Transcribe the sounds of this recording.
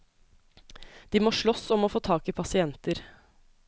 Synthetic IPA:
d̪̥iːmoːʃɭɔsɔmoːfoːt̪ʰɑːkɪpʰɑsɪɛnt̪əɾ

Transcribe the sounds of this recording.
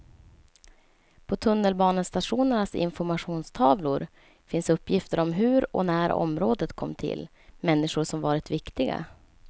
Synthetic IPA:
pʰɔt̪ʰɵnːəlbɑːnənst̪aʂuːnənasɪ̰nfɔɾmaɧuːnst̪ʰɑːvlʊɾ | fɪnsɵpːjɪft̪əɾʔɔmɦɵɾɔ̰næːɾɔ̰mɾoːd̪ət̪kʰɔ̰mːt̪ʰɪ̰lː | mɛnːɪʂʊʂɔmvɑːɾɪt̪vɪkt̪ɪɡa̰

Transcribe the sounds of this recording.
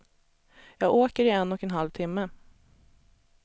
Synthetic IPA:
jɑːɡoːkəɾɪɛnːɔkɛnɦalvt̪ʰɪmːə

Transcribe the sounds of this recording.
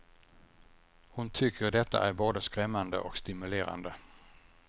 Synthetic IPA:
hʊnt̪ʰʏkʰːəɾɖɛt̪ʰːa̰ʔæɾboːd̪əskɾɛmːand̪ə̰ʔɔkst̪ɪmɵleːɾa̰nd̪ə

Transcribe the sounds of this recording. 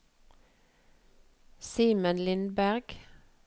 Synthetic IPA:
siːmənlɪnbæʁɡ̥

